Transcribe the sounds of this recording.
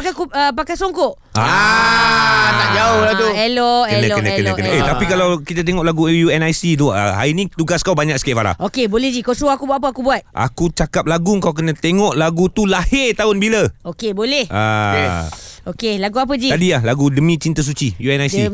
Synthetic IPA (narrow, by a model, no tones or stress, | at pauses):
pakakuəpakajsoŋkoʔ | aa | t̪aʔd͡ʒaoladuɛloʔəɛnalokənaknakəet̪apikalawkit̪at̪eŋɔʔlaɡujuɛnajsid̪uʔə̰ɦa̰inĩt̪uɡaskawbaɲãk̚sə̥kɛfaɾa̰hʔokebolɛhd͡ʒikasoakubuat̪̚p̬əakubuat̪̚ʔa̰kut͡ʃakap̚laɡʊŋkawk̬ənãt̪eŋɔʔlaɡut̪ulahɪrt̪aʊnbilaokebolɛha̰ | okelaɡuap̬əd͡ʒit̪adilahlaɡudəmĩt͡ʃint̪as̬ut͡ʃijuɛnajsi